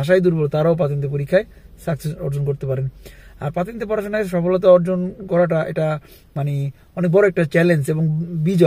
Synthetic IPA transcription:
aʃ̬ajd̪uɾbɔlt̪aɾawp̬at̪int̪ʰep̬oɾikʰːae | sakseɔɾd͡ʑonkoɾt̪epaɾena̰ɾpɾat̪int̪ʰepɔɾaʃɔnaeʃɔfɔlɔt̪aɔɾd͡ʑonkɔɾaʈ̬aʔḛʈa | mane | ɔnek̚bɔɾoɛk̚ʈat͡ɕɛlend͡ʑeboŋbid͡ʑɔ

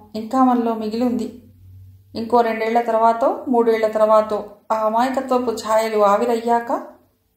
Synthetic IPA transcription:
iŋkaːmɐnɐlo̞ːmiɡilund̪i | iŋkoːɐɾe̞ɳɖeːɭːɐt̪ɐɾɐʋaːt̪oːmuːɽueːɭːɐt̪ɐɾɐʋaːt̪oːaːɐmaːjɐkɐt̪ːʋɐput͡ʃʰaːjɐluaːʋiɾɐjːaːkɐ

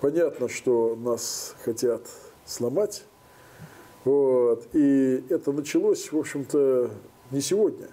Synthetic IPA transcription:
pɐnʲat̪nəʂt̪onasxɐtʲat̪ | slˠɐmatʲ | vot̪iɛt̪ənət͡ɕɪlˠosʲvo̞pɕɪmt̪ə | nʲɪsʲɪvo̞dʲnʲə̰

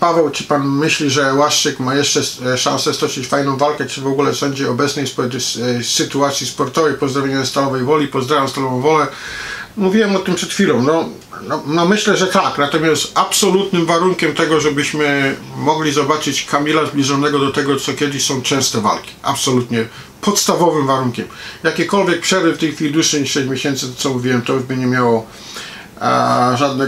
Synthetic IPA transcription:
pavɛwt͡ʂɘpanmɘɕlʲiʐɛwaʂt͡ʂɘkmajɛʂt͡ʂɛsʂã̰w̃sɛst̪ɔt͡ʂɘt͡ɕfajnɔ̃w̃valkɛt͡ʂɘvɔɡulɛsɔ̃ɲd͡ʑɛɔbɛt̪snɛjspd̪ssɘt̪uat̪sʲjispɔɾt̪ɔvɛjpɔzd̪ɾɔvʲeɲɛ̃st̪alɔvɛjvɔlʲipɔzd̪ɾavʲjɔ̃st̪alɔvɔ̃w̃vɔlɛ | muvʲiwɛmɔt̪ɘmpʂɛt̪xʲfʲilɔ̃w̃nɔ | nɔnɔmɘɕlɛʐɛt̪aknat̪ɔmʲjast̪apsɔlut̪nɘmvaɾuŋkʲɛmt̪ɛɡɔʐɛbɘɕmɘ | mɔɡlʲizɔbat͡ʂɘt͡ɕkʰamʲilazblʲiʐɔnɛɡɔd̪ɔt̪ɛɡɔt̪sɔkʲɛd̪ɘɕsɔ̃w̃t͡ʂɛ̃w̃st̪ɛva̰lkʲi̥a̰psɔlut̪ɲɛ | pɔt̪st̪avɔvɘmvaɾuŋkʲɛmjakʲɛkɔlvʲjɛk̚pʂɛɾɘft̪ɛjxfʲilʲid̪wuʂːɛɲiʂɛt͡ɕmjeɕɛnt̪sɘt̪t̪sɔmuvʲiwɛmt̪ɔuʐbɘɲɛmʲjawɔ | ʐad̪nɛ

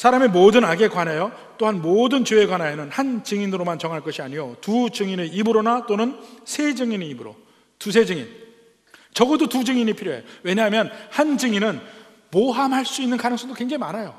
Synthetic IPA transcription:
sʰaɾamemodɯnaɡe̞kwanɦajo | t͈oɦanmodɯnt͡ɕeeɡwanaenɯnhant͡ɕɯŋinɯɾomant͡ɕʌŋɦaɭk͈ʌɕʰiaɲijotud͡ʑɯŋineibɯɾonat͈onɯnsʰe̞d͡ʑɯŋineibɯɾo̰ | tusʰe̞d͡ʑɯŋin | t͡ɕʌɡʌdotud͡ʑɯŋiɲipʰiɾjoɦejowe̞ɲaɦamjʌnhand͡ʑɯŋinɯn | moɦamɦaɭs͈uinːɯnkanɯŋs͈ʰʌŋdokeŋd͡ʑaŋimanajo

